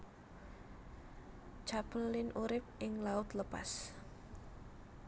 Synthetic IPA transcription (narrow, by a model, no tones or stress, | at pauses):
t͡ʃapəlːɪnʔuɾɪp̚ʔɪŋlaʊt̪ləpa̰s